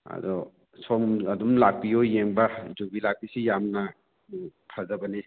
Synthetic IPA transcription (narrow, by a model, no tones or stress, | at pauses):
ɐ̰dɔ | sɔmɐdumlak̚pijojeŋbɐd͡ʒobilak̚pisijamnɐ | pʰɐzɐbɐni